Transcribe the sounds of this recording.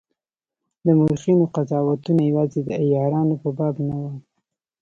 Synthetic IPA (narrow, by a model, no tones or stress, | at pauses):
d̪əmuɾxinoqazɑwat̪unajawɑzed̪əajɑɾɑnopəbɑbnawə